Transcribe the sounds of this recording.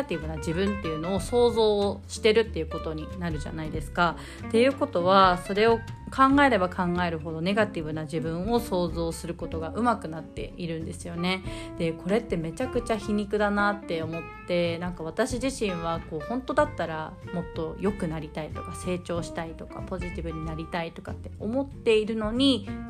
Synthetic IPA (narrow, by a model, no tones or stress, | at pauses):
t̪ʲibɯ̟nad͡ʑibɯ̟̃nt̪ːe̞jɯ̟no̞ːso̞ːzo̞ːɕi̥t̪e̞ɾɯ̟t̪ːejɯ̟ːkot̪o̞ɲ̟inaɾɯ̟ʑa̰naid̪e̞sɨ̥ka | t̪e̞jɯ̟ːko̞t̪o̞βaso̞ɾe̞o̞kʰãŋɡae̞ɾe̞bakʰãŋɡae̞ɾɯ̟ɦo̞d̪o̞ne̞ɡat̪ʲibɯ̟naʑibɯ̟̃ɰ̃o̞so̞ːzo̞ːsɨɾɯ̟ko̞t̪o̞ɡaʔɯ̟makɯ̟nat̪ːe̞̰iɾɯ̟̃nd̪e̞sɨjo̞ne̞d̪̥e̞kʰo̞ɾe̞t̪ːe̞me̞t͡ɕakɯ̟t͡ɕaçiɲ̟ikɯ̟d̪anat̪ːe̞o̞mo̞t̪ːe̞nãŋkaβ̞at̪aɕiʑiɕĩɰ̃β̞ako̞ːhõ̞nt̪o̞d̪at̪ːaɾamo̞t̪ːo̞jo̞kɯ̟naɾʲit̪ait̪o̞kase̞ːt͡ɕo̞ːɕi̥t̪ait̪o̞̥ka̰po̞ʑit̪ʲibɯ̟ɲ̟inaɾʲit̪ait̪o̞kat̪ːe̞o̞mo̞t̪ːe̞iɾɯ̟no̞ɲ̟i